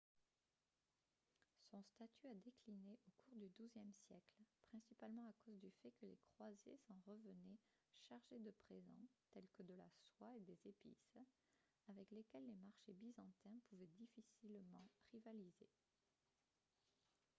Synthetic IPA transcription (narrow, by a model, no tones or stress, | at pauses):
sɔ̃st̪at̪ʰyad̪eklineʔokuʁd̪yd̪uzjɛmsjɛklpχɛ̃sipalmɑ̃akozd̪yfɛkəlekχwazḛsɑ̃ʁəvənɛ | ʃaʁʒed̪əpχezɑ̰̃t̪ɛlkəd̪əlaswaed̪ezepḭs | avɛklekʲɛlːemaʁʃebizɑ̃t̪ɛ̃puvɛd̪ifisilmɑ̃ʁivalize